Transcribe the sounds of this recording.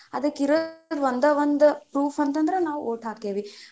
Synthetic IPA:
ɐd̪ɐkːiɾod̪ʋond̪ɐʋond̪upɾuːpʰɐnt̪ɐnd̪ɐɾenaːʋuʔoːʈɦaːk̪eːʋi

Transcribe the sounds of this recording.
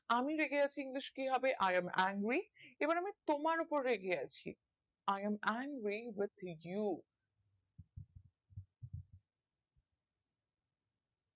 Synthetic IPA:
amiɾeɡʱeat͡ɕʰiiŋliʃkiɦɔbeʔajamæŋɡɾieboɾamit̪omaɾupoɾːeɡʱeat͡ɕʰḭ | ajɛmæŋɡɾiwɪd̪ju

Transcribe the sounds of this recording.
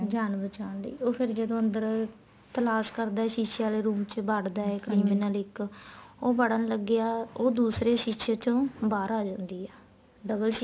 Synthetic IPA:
d͡ʒaːnbət͡ʃaːnlə̰ːoːpʰɪɾd͡ʒəd̪õːənd̪əɾ | t̪əlaːʃkəɾd̪aːɛːʃiːʃaːleːɾuːmt͡ʃbaɽd̪aːɛːkɾiːmenaːlɪkoːbəɽənləɡɪjaːoːd̪uːsɾeːʃiːʃeːt͡ʃõːbaːɾaːd͡ʒãːnd̪iːɛː | ɖəbəlʃ

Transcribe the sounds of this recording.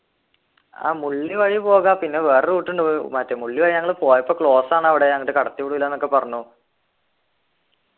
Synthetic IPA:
a̰ːmuɭːiʋɐɻipo̞ːɣaːpinːe̞ʋe̞ːreuːʈːuɳɖɨmɐtːemuɭːiʋɐɻiɲɐŋːɐɭɨpo̞ːjɐpːoːkɭo̞ːsaːɳɐʋiɽe̞ɲɐŋːɐʈːɨkɐɽɐt̪ːikuɽuʋilːɐenːokːe̞pɐrɐɲːu

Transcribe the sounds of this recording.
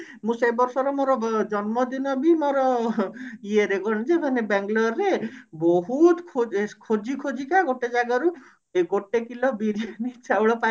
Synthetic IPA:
mũsebɔɾsɔɾɔmoɾɔd͡ʒɔnmɔd̪inɔbimoɾɔ | ieɾeɡɔɾñid͡ʒebʱanebɛŋɡlɔɾebɔɦut̪kʰokʰod͡ʒikʰod͡ʒikaɡoʈed͡ʒaɡaɾu | eɡoʈekilɔbiɾianit͡ʃawɭɔpa

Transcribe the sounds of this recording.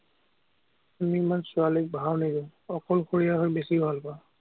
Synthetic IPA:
amimansʊalik̚bʱawnidĩʊ̃ɔkɔlxoɹijaɦojbesibʱalpa

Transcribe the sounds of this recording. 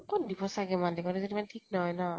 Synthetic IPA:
kɔndipʰɔsaɡɛmandɛkɔɾɛzɔdimantʰik̚naɦɔjna

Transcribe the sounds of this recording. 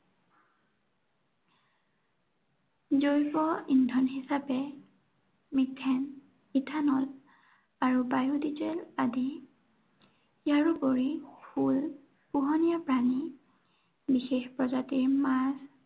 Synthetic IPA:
zojpɔindʱɔnɦisapɛ | miktʰːɛn | itʰanɔl | aɹubajudizeladi | jaɹupoɹixul | puɦɔnijapɹani | bixexpɹɔzatiɹmaz

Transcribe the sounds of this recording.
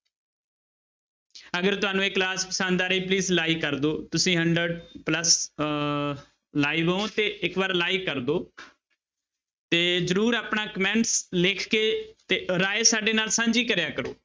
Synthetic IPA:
əɡəɾt̪ʊaːnũːekːlaːspəsãːnd̪aːɾiːpliːzlaːiːkəɾd̪oːt̪ʊsĩːɦəɳɖɾəɖpləs | laːiːʋõːt̪eːɪkʋaːɾlaːiːkəɾd̪oː | t̪eːzəɾuːɾaːpɳaːkəmɛ̃ːɳʈsleːkʰkeːt̪eːɾaːesaːɖeːnaːlsãːɲd͡ʒiːkəɾjaːkəɾo̰ː

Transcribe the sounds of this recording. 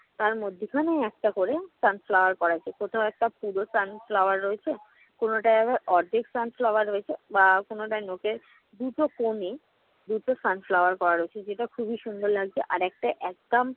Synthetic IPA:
t̪aɾmod̪ʱːikʰaneɛk̚ʈakoɾesanflawaɾkɔɾat͡ɕʰekot̪ʰaoɛk̚ʈapuɾosanflawaɾːoet͡ɕʰe | konoʈaɛbaɾɔɾd̪ʱeksanflawaɾːoet͡ɕʰebakonoʈanokeɾ | d̪uʈokomi | d̪uʈosanflawaɾkɔɾaɾoet͡ɕʰed͡ʑeʈakʰubiʃund̪ʱoɾlaɡ̚t͡ɕʰeʔaɾɛk̚ʈaʔɛk̚d̪am

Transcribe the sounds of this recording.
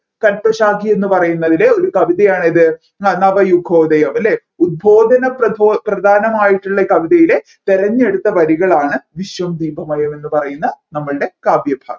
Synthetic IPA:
kɐlpɐɕaːɡie̞nːɨpɐrɐjunːɐðileo̞ɾukɐʋiðɐjaːɳiðɨ | nɐʋɐjuɡʰʱo̞ːd̪ɐjɐmɐle | ud̪̚bʱo̞ːd̪ʱɐnɐpɐd̪ʱoprɐd̪ʱaːnɐmaːjiʈːuɭːɐkɐʋiðɐjile̞ | t̪eɾɐɲːe̞ɽut̪ːɐʋɐɾiɣɐɭaːɳɨʋiɕʋɐmd̪iːbʱɐmɐjɐme̞nːɨpɐrɐjunːɐnɐmːɐɭɨɽe̞kaːbjɐbʱa̰ːɡ

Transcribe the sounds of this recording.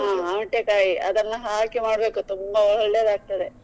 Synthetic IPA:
ɦãːaːʈːekaːjiɐ̰d̪ɐnːɐɦaːɭkemaːɽbeːkut̪umbɐɔɭɔɭːed̪aːɡ̚t̪ɐd̪e

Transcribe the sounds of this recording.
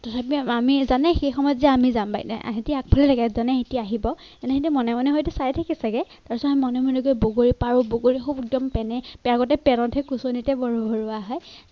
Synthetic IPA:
tatʰapiamizanɛxejxɔmɔjɔtziaamizamba̰jna̰ʔɦetiak̚pʰɔlɛlaɡɛzanɛɦetiaaɦibɔ | ɛnɛɦetɛmɔnɛmɔnɛɦojtɛsaɹɛtʰakisaɡɛtaɹsɔamimɔnɛmɔneɡojboɡoɹipaɹʊboɡoɹixubɛk̚dɔmpɛnɛpɛaɡɔtɛpɛnɔntʰɛkusonitɛbɔɹubʱɔɹʊaɦɔj

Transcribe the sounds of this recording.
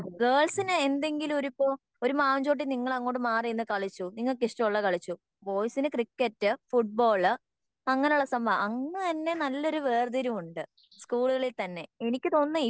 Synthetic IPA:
ɡeːɭsinɨend̪e̞ŋɡilumo̞ɾupːoː | o̞ɾumaːɲd͡ʑo̞ːʈ̬ːiniŋːɐɭɐŋːo̞ːʈːɨmaːrijnːɨkɐɭit͡ɕːuniŋːɐɭk̬iʂtɐuɭːɐkɐɭit͡ɕːu | ʋo̞ːjsinɨkrikːɐtːɨfuʈ̚bo̞ːɭɨ | ɐŋːɐneuɭːɐsɐmbʱɐʔɐŋːɐt̪ɐnːe̞nɐlːo̞ɾuʋeːrd̪ɐɾumuɳɖɨ | skuːɭuɣɐɭilt̪ɐnːe̞enikʲːɨt̪o̞ːnːɨi

